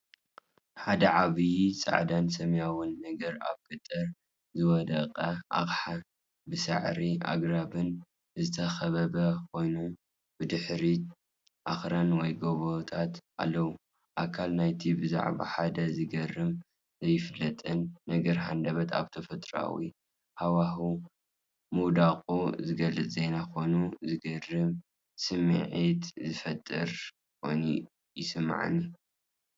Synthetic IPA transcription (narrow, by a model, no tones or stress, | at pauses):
ħad̪ɐʕaβɨjit͡sʼa̰ʕd̪ansɐmjawʊnːɐɡɐɾa̰βkʰɨt̪ʼːɨɾ | zɨwɔd̪ɐqʼɐʔa̰χħa | bɨsɨ̰ʕɾia̰ɡɾabɨn | zɨt̪ʰɐxɐβɐbɐkʰo̞jnu | bɨd̪ɨħɾi | ʔaxɾanwɔjɡoβot̪ʰat̪ʔa̰lːɐwu | ʔa̰kʰalnajt̪ʰibɨza̰ʕβa̰ħad̪ɐzɨɡɐrːɨm | zɐjːɪfɨlːɐt̪ʼɨnːɐɡɐɾɦa̰nd̪ɐβɐt̪ʰa̰βt̪ʰɐfɐt̪ʼɾa̰wḭ | hawahu | muwd̪akʼuzɨɡɐlːɨt͡sʼze̞jnakonuzɨɡɐrɨm | sɨmḭʕit̪zɨfɐt̪ʼːɨɾ | ko̰jnḭ | jɪsɨmːa̰ʕa̰nːi